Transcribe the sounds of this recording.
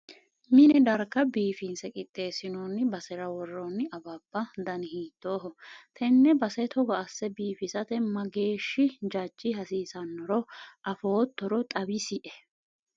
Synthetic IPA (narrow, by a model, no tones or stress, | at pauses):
mɪnɛd̪ɐɾkːɐbiːfɪnsɛkʼɪt̪ʼːe̞ːsɪnoːnːɪbɐsɛɾɐwɔrːɔnːɪɐbɐbːɐd̪ɐnhiːt̪ʼːo̞ːɦɔt̪ʰɛnːɛbɐsɛt̪ʰɔɡɐːsːɛbiːfɪsɐt̪ɛmɐɡe̞ːʃːɪd͡ʒɐd͡ʒːɪɦɐsiːsɐnːɔɾɔʔɐfoːt̪ːɔɾɔt̪ʼɐbɪsɪʔɛ